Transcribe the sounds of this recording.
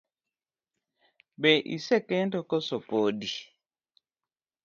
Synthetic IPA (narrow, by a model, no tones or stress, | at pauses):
bɛʔḭsɛkɛntɔkɔsɔpodi